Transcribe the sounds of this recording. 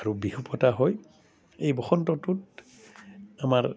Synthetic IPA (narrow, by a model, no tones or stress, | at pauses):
aɹubihupɔtaɦɔj | ejbɔxɔntɔtut̚ | amaɹ